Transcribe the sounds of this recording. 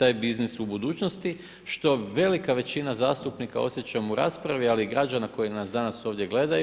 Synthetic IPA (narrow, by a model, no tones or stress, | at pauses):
t̪aːjbiznisubud̪uːt͡ʃnost̪i | ʃt̪o̞ʋe̞likaʋe̞t͡ɕinazaːst̪upnika̰o̞̰sje̞t͡ɕamuɾa̰ːspɾaʋialiːɡɾad͡ʒanako̞jinasd̪anaso̞ːʋd̪je̞ɡle̞d̪aj